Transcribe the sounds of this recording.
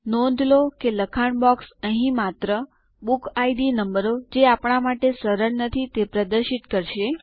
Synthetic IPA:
nõd̪ʱlokeləkʰaɳbɔksəɦĩmat̪ɾə | bukʰajɖinəmbəɾod͡ʒeapɳ̃amaʈesəɾəɭnət̪ʰit̪epɾəd̪əɾʃit̪kəɾʃe

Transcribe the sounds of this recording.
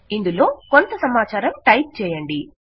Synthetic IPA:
ind̪ulo̞ːkont̪ɐsɐmaːt͡ʃaːɾɐmʈɐjʈ̚t͡ʃɛːjɐɳɖi

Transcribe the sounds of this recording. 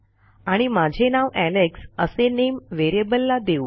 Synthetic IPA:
aɽ̃imad͡ʑʱenaʋæleksəsenemʋeɾebəlːad̪eu

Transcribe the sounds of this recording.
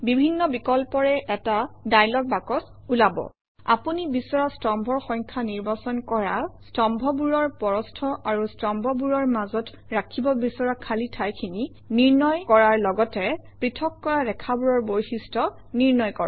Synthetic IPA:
bibʱinːɔbikɔlpɔɹɛʔɛtadajlɔk̚bakɔs | ulabɔ̰ | a̰punibisɔɹastɔmbʱɔɹxɔŋkʰaniɹbasɔnkɔɹastɔmbʱɔbuɹɔɹpɔɹɔstʰɔʔaɹustɔmbʱɔbuɹɔɹmazɔt | ɹakʰibɔbisɔɹakʰalitʰajkʰini | niɹnɔjkɔɹaɹlɔɡɔtɛpɹitʰɔkːɔɹadɛkʰabuɹɔɹbojxistɔ | niɹnɔjkɔɹɔ

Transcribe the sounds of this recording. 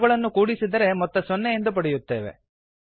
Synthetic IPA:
ɡɐɭɐnːukuːɽisid̪ɐɾe̞mɔt̪ːɐsɔnːejend̪up̬ɐɽɛjut̪ːe̞̰ːʋe̞̰

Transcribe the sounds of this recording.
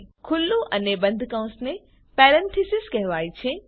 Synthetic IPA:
kʰʊlːuʔɐnebɐ̃nd̪ʱkãʊ̃nsnẽ | pɛːɾɛ̃nt̪ʰɪsɪskɐɦɪʋaːit͡ɕʰẽ

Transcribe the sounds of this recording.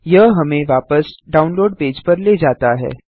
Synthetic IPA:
jɐɦɦɐmẽʋaːpəsɖaːʊnloːɖ̚peːd͡ʒpɐɾled͡ʒaːt̪aɦɛ̰ː

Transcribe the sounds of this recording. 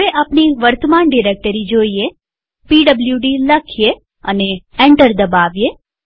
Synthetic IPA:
eʔapniʋəɾt̪əmanɖiɾek̚ʈəɾid͡ʒoie | piɖəbljuɖiləkʰije | əneeɳʈəɾd̪əbaʋje

